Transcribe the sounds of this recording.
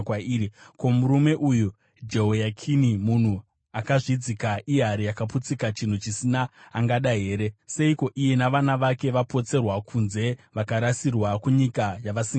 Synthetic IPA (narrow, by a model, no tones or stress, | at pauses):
kaiːɾiko̞muɾume̞ʔuju | d͡ʒe̞ɦojakʰinimun̤u | akaʐid͡zikaʔiɦaɾijakaput͡sikat͡ʃin̤ut͡ʃisinaːŋɡaɗaɦe̞ːɾe̞se̞iko̞ʔije̞naʋanaʋake̞ʋapo̞t͡se̞rwakʰunze̞ʋakaɾasirwakuɲikajaʋasiŋ